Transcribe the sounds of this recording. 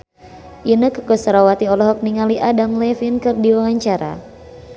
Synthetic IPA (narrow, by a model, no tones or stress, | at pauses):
ʔinəkəkɔsɾawat̪iɔlɔɦɔk̚niŋaliʔadamlɛfinkɨrdiwawaɲt͡ʃaɾa̰